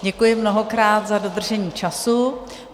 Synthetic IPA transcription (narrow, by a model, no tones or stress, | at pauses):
ɟɛkujɪmno̞ɦokɾaːt̪zado̞d̪r̩ʒɛɲiːt͡ʃasu